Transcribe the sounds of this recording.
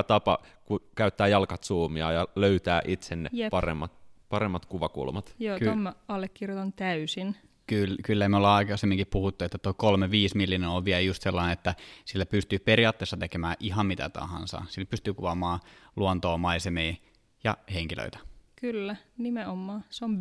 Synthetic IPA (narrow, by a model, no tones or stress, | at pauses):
t̪ɑpɑ̰kukæyt̪ːæːjɑlkɑt̪suːmiɑ̰jɑløyt̪æːʔit̪senːḛjepɑrḛmːɑt̪pɑɾemːɑt̪kuʋɑkṵlmɑt̪joːtk̪omːɑɑlːekːirjot̪ɑnt̪æysin | kylkylːæimeolːɑikɑsemːiŋkippuhut̪ːuet̪ːæt̪oikolmeʋiːsmilːinenoʋʋiæljust̪selːɑineet̪ːæsilːæpyst̪yːpeɾiɑːt̪ːeːsːɑt̪ekemæːʔiɦɑmmit̪æ̰t̪ɑ̰hɑ̰nsɑ̰silːpyst̪yːkuʋɑmɑːluɑnt̪oːmɑisemiː | jɑ̰heŋkilø̰it̪æ̥kylːænimeomːɑːseom